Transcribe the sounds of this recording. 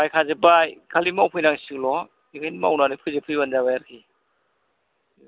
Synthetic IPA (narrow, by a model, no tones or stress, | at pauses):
bajkʰazɯbajkʰalimawpʰɯjnaŋsɯŋlɔ | iŋajnma̰wnanɯpʰɯzɯpʰɯjbanzabajaɾkʰi